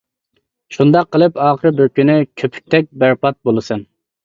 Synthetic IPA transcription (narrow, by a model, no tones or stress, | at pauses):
ʃund̪ɑqʰːəlˠɨpɑːχəɾbɪɾkʲynɪkʲʰøpʰy̥k̚ʲt̪ʰɛk̚ʲbæɾpɑt̪̚bolˠɨsɨn